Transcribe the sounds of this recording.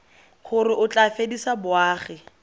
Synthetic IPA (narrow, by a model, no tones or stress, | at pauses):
χʊɾɪʔʊt͡ɬʼafedisabʊaːχɪ